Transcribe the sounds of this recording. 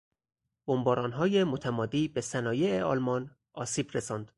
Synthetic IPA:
b̥ombɒːɾɒːnɦɒːjemot̪ʰæmɒːd̪iːbe̞sænɒːje̞eɒːlmɒːn | ʔɒːsiːbɾesɒːnd̪̥

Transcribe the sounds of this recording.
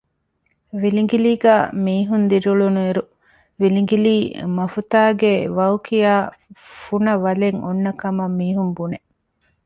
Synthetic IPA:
ʋiliŋɡiliːɡæːmiːɦund̪iɾuɭunueɾu | ʋiliŋɡiliːmɐfut̪aːɡeʋɐwkijaːfunɐʋɐleŋonːɐkɐmɐmːiːɦumbune

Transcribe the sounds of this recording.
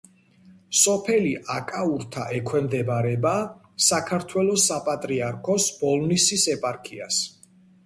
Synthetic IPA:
sɔpʰɛliʔakʼauɾt̪ʰa̰ʔɛkʰwɛmd̪ɛbaɾɛba | sakʰaɾt̪ʰwɛlˠɔsapʼat̪ʼɾiaɾkʰɔsb̥ɔlˠnisisɛpʼaɾkʼia̰s

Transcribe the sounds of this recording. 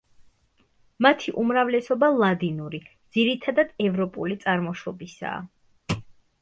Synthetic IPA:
mat̪ʰiʔumɾavlɛsɔbalˠad̪inuɾid̪z̥iɾit̪ʰad̪ad̪ɛvɾɔpʼṵlit̪sʼaɾmɔʃɔbisa̰ː

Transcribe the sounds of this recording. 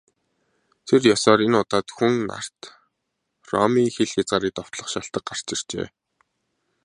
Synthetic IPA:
t̪ʰerjɔsɔːɾenʊt̪aːt̪xunːa̰r̥t̪ | rɔ̰miːŋxeɮxat͡sɢaːɾiːk̚t̪ɔw̥t̪ɮɞ̆ə̆χʃaɬt̪ə̆k̚ɢar̥t͡ɕɪr̥t͡ɕḛː

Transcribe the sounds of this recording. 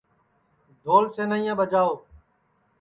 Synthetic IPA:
d̪ʱoːlseːnəĩjãːɓəd͡ʒaːoː

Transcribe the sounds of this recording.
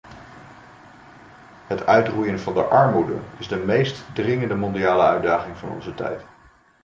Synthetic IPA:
ɦətœɥtrujənvɑndəʔɑɹmudə̰ɪzdəmejstdrɪŋəndəmɔndiaːləœɥdaːχɪŋvɑ̰nɔ̰nzətɛ̰jt

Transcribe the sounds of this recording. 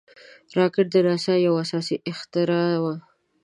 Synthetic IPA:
ɾɑkɪʈ̚d̪əɾɑsajawasɑsiʔɪxt̪ɪɾɑwa

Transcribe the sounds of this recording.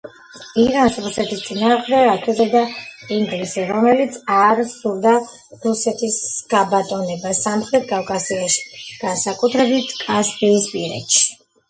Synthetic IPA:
iɾansɾusɛt̪ʰist̪sʼinaːχd̪ɛɾat̪ʰɛzɛd̪aiŋɡlisɛɾɔmɛlit̪sʰaɾsuɾd̪a | ɾusɛt̪ʰisɡ̥abat̪ʼɔnɛbasamχɾɛt̪̚ʰɡʼafkʼasiaʃi̥ɡ̥ansakʼut̪ʰɾɛbit̪ʰkʼasbiːspʼiɾɛ̰t̪ʃi̥

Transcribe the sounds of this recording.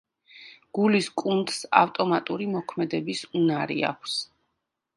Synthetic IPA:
ɡ̥uliskʼund̪sa̰ft̪ʼɔmat̪ʼuɾimɔkʰmɛd̪ɛbisunaɾḭa̰kʷʰs

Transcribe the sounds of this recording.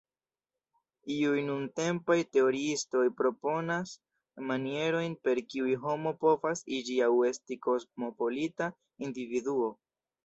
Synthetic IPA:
iujnunte̞mpajte̞o̞ɾiisto̞jpɾo̞po̞nas | manie̞ɾo̞jnpe̞ɾkiujɦo̞mo̞po̞vasid͡ʒiawe̞stiko̞smo̞po̞lita | individuo̞

